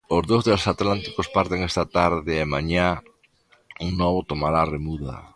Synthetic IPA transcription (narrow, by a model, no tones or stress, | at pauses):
ozðozðelsat̪lant̪i̥kospaɾt̪eŋest̪at̪aɾðɪːmaɲa | uŋnɔβot̪omaɾaremuða̰